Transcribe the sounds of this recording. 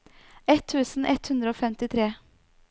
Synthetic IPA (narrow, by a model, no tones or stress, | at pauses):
ɛt̪ʰːʉːsn̩ʔɛt̪hʉnd̪ɾəoːfɛmt̪ɪt̪ʰɾeː